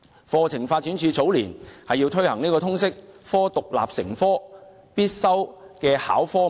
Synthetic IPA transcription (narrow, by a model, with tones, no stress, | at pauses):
fɔː˧t͡sʰɪ˨˩ŋfaː˧t̚ːyː˨˥nt͡ʃʰyː˧t͡so˨˥wliː˨˩nhɐ˨jːi˧wt̪ʰɵ˥ɥhɐ̰˨˩ŋniː˥kɔː˧t̪ʰʊ˥ŋsɪ˥k̚fɔː˥t̪ʊ˨k̚la̰ː˨˩p̚sɪ˨˩ŋfɔː˥ | piː˥t̚sɐ˥wkɛː˧ha̰ː˨˥wfɔː˥